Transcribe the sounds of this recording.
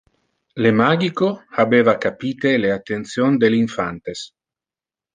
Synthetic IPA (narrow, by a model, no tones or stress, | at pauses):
lemaɡikoabeːvakapiːt̪eleat̪ːent̪sjond̪eliɱfant̪es